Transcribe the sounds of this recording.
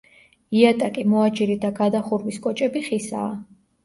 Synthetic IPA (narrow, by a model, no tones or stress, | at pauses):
iat̪ʼakʼimɔad͡ʒiɾid̪aɡad̪aχuɾviskʼɔt͡ʃʼɛbiχisa̰ː